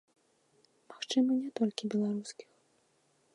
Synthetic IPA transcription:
maxt͡ʂɨmɐnʲɛt̪ɔlʲkʲibʲɛlˠaɾuskʲi̥x

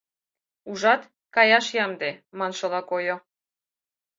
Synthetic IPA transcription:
uʒɑt̪ | kɑjɑʃjɑmd̪emɑnʃɤlɑkojo

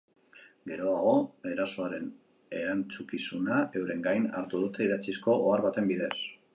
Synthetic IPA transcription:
ɡe̞ɾo̞aɣo̞e̞ɾaso̞aɾe̞n | e̞ɾant͡sukisunae̞wɾe̞ŋɡajna̰ɾt̪uð̞ut̪e̞iðat͡sisko̞ʔoaɾβat̪e̞mbiðe̞s

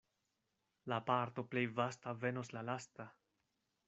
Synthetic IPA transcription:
lapaɾt̪o̞ple̞jvastave̞no̞slalasta

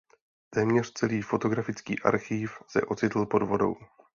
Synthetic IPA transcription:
t̪ɛːmɲɛr̝t͡sɛliːfo̞t̪o̞ɡɾafɪt͡skḭːʔa̰ɾxiːfsɛ̰ʔo̞t͡sɪt̪l̩po̞dvo̞do̞̰w

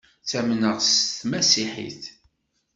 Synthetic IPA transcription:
θæmnəʁsθmæsiħḭθ

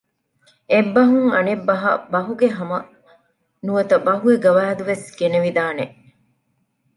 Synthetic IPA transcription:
ebːɐɦuŋɐnebːɐɦɐ̰bɐɦuɡeɦɐmɐ | nuʋɐt̪ɐbɐɦueɡɐʋaːɐd̪uʋesɡeneʋid̪aːneʔ

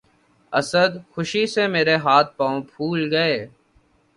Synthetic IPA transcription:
əsəd̪xʊʃisemeːɾeɦaːt̪̚ʰpaːõpʰuːlɡɐeː

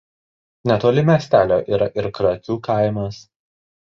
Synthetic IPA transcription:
nʲɛt̪oːlʲɪmʲeːsʲt̪ʲæːlʲoːʔiːɾɐʔɪɾkɾɐk̪ʲuːkɑˑɪmɐs

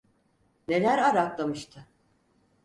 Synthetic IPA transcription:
ne̞lʲæɾaɾaklˠamɯʃt̪ʰɯ

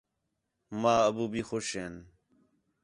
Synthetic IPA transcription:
maːəbuːbʱiːxoʃɦeːn

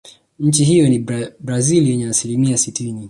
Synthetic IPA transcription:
ɲ̩t͡ʃiɦijɔnibɾaziliɛɲɛasilimiasitini

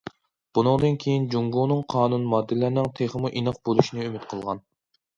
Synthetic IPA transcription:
b̥unɨŋd̪ɨnkʲʰejind͡ʒuŋɡunɨŋqʰɑːnunmɑd̪ːɪlɪɾnɪŋt̪ʰeχəmuʔinɨq̚bolˠuʃinɪymɪt̪̚qʰəlˠʁɑn

